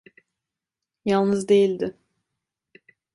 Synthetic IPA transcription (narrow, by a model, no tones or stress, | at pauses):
jalˠnɯzd̪e̞jilʲd̪ɪ